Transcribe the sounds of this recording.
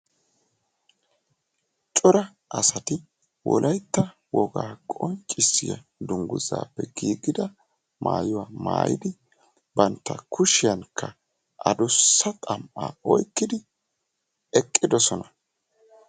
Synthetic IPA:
t͡ʃʼɔɾɐ | ʔɐsɐt̪ɪ | wʔɔ̰lʔɐjt̪ːɐ | wɔɡaːkʼɔnt͡ʃʼːɪsːɪjɐ̰ | d̪ʊŋɡʊza̰ːpːɛɡiːɡɪd̪ɐ | mʔaːjʊwaːma̰ːjɪ̰d̪ɪ | bɐnt̪ːɐkʊʃɪjɐnkʰːɐ | ʔɐd̪ʊsːɐt̪ʼɐmʔaːɔjkːɪd̪ɪ | ɛkʼːɪd̪ɔsɔnɐ

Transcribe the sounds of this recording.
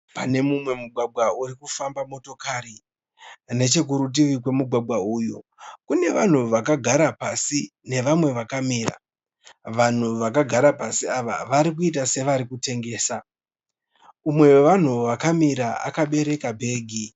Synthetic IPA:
pane̞mumwe̞muɡʱwaɡʱwauɾikufambamo̞to̞kaɾi | ne̞t͡ʃe̞k̬uɾut̬iʋikwe̞muɡʱwaɡʱwauːjokune̞ʋa̰n̤uʋak̬aɡʱaɾapasine̞ʋamwe̞ʋakamiːra̰ | ʋan̤uʋakaɡʱaɾapasiaʋa̰ʋaɾik̬uit̬ase̞ʋaɾikute̞ŋɡe̞ːsa | umwe̞weʋan̤uʋakamiɾaa̰kaɓe̞ɾe̞kabʱe̞ːɡʱi

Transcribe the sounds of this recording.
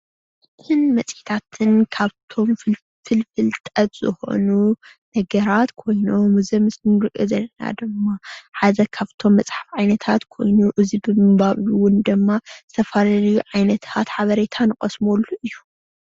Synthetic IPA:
ɨt̪ʰɨnmɐt͡sʼit̪ʰat̪ʰɨnkʰaβt̪ʰo̞m | fɨlfɨlt̪ʼɐt̪z̥ɨxo̞̰nu | nɐɡɐɾat̪kʰo̞jno̞mːɨzɐmɨsnɨnɨɾɨkʼːɨzɐlːɐna̰d̪ɨmːaħazɐkʰaβt̪ʰo̞mːɐt͡sʼħḁfʕajnɐt̪ʰat̪kʰo̞̰jnuʔɨzibɨmɨɡbaβwʊnd̪ɨmːaz̥ɨt̪ʰɐfalalɐjuʕajnɐt̪ʰat̪ħaβɐɾet̪ʰanɨkʼɐsmolːuʔɨjːu

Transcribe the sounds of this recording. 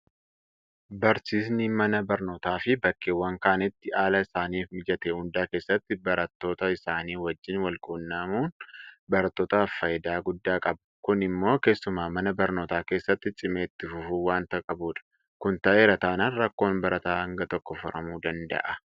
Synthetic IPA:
bɐɾsiːs̬niːmɐnɐbɐɾno̞ːt̪aːfɪbɐkːeːwːɐŋkaːnɪt̪ːɪaːlɐɪsaːniːfmɪd͡ʒɐt̪ehʊnd̪aːke̞ːsːɐt̪ːɪbɐɾɐt̪ːo̞ːt̪ɐɪsaːniːwɐd͡ʒːɪnwɐlkʼuːnːɐmuːnbɐɾɐt̪ːo̞ːt̪ɐːfːɐjd̪aːɡʊd̪ːaːkʼɐbɐ̥kʊnɪmːo̞ːke̞ːsːʊmaːmɐnɐbɐɾnoːt̪aːke̞ːsːɐt̪ːɪt͡ʃʼɪmeːt̪ːɪfʊfuːwaːnt̪ɐkʼɐbuːᶑɐ̥ | kʊnt̪ɐʔe̞ːɾɐt̪aːnɐnɾɐkːo̞ːnbɐɾʔɐt̪aːhɐŋɡɐt̪ɔkːɔfʊɾɐmuːd̪ɐnd̪ɐ̰ʔɐ

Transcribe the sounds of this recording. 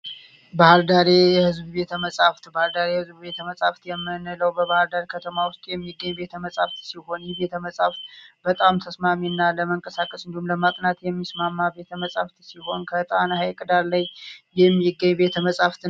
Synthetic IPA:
bahɾd̪aɾejɛhɨzbube̞t̪ʰəməsʼaft̪bahɨɾd̪aɾehɨzbube̞t̪ʰəməsʼaft̪jɛmːɨnələwbəβahɾd̪aɾkʰət̪ʰəmawʊst̪ʼjɛmːiɡːəɲːbe̞t̪ʰəməsʼaft̪siho̞njɛβe̞t̪ʰəməsʼaft̪bət̪ʼamt̪ʰəsmaminːaləməŋkʼəsakʼəsɨnd̪ihumləmat̪ʼnat̪jɛmːismamːabe̞t̪ʰəməsʼa̰ft̪siho̞nkʰət̪ʼanhajkʼɨd̪alːəɲjɛmːiɡəɲːbe̞t̪ʰəməsʼaft̪

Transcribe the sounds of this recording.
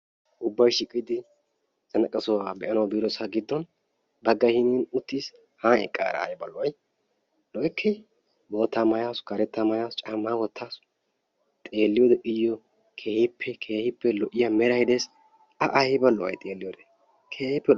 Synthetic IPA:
ʔʊbːɐjʃɪkʼːɪd̪ɪ | zɐnɐkʼːɐsɔwaːbɛʔɐnɐwbiːɾɔsaɡɪd̪ːɔn | bɐɡːɐhɪniːnʊt̪ːiːs | haːɛ̰kʼa̰ːɾɐ̰ːjɛbɐ̰lːɔwɐj | lɔjkʰːɛ | bo̞ːt̪ːamɐjaskɐɾɛt̪ːamɐjast͡ʃʼamːaːwɔt̪ːaːs | t̪ʼe̞ːlːɪjoːd̪ɛʔɪjːɔ | kʰe̞ːhɪpʰːɛkʰe̞ːhɪpːɛlɔʔɪjɐmɛɾɐjɪd̪es | ɐʔɐhɛbɐlːɔwɐ̰jt̪ʼeːlːɪjoːd̪ɛ̥ | kʰeːhɪpːɛ

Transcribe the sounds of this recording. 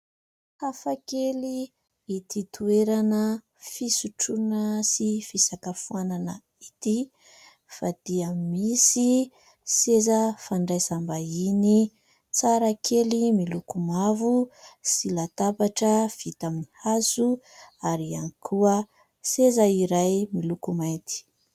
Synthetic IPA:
hafakeli | it̪it̪ueɾanə | fisuʈ͡ʂunəsifisakəfuananə | it̪i | fad̪̥iamisi | sezəfaɳɖ͡ʐajsambaini | t͡saɾakʰelimilukumavusilat̪apaʈ͡ʂəv̥it̪aminihazu | aɾianikʰuə | sezaiɾajmilukumajt̪i̥

